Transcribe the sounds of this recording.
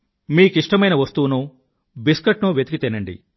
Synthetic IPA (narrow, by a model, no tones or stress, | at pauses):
miːkiʂʈɐmɐjnɐʋɐst̪uːnuː | biskɐʈnuːʋjet̪ikit̪inːɐɳɖḭ